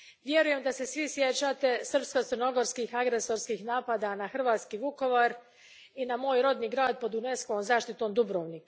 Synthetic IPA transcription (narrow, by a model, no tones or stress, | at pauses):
ʋje̞ɾuje̞md̪ase̞sʋisjet͡ʃaːt̪e̞sr̩pskot̪sərɾno̞ɡo̞ɾskixaɡɾe̞so̞ɾskixnaːpaːd̪anaxr̩ʋaːt̪skiːʋuko̞ʋaɾ | inamo̞ːjɾo̞d̪niːɡɾaːd̪̚po̞d̪uneskoʋomzaːʃt̪it̪o̞ːmd̪ubɾoːʋnik